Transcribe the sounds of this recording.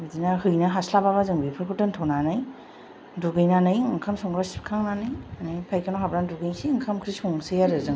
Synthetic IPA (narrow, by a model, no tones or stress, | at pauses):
bɯdinaɦɯjnɐɦaslabaβazɯŋbipʰɯɾkʰɯtɯntʰɔnanaj | duɡɯjnanɯjɯŋkʰamsɔŋɾasi̥p̚kʰaŋnanɯjnɯjpʰajkanoɦabɾanduɡɯjsiɯŋkʰamkʰɾisɔŋsejaɾɯzɯŋ